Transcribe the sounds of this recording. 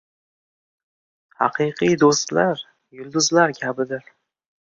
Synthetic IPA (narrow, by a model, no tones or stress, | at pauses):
hɑ̰qʰɨqʰijd̪ost̪laɾ | jʊlˠd̪ʊzlaɾkʲʰabɪd̪ɪɾ